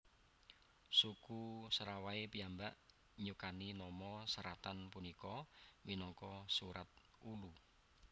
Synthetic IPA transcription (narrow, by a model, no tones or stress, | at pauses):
sukusəɾawaepiambaʔ | ɲukaninɔmɔsəɾat̪anpunikɔminɔŋkɔsuɾat̪̚ | ulu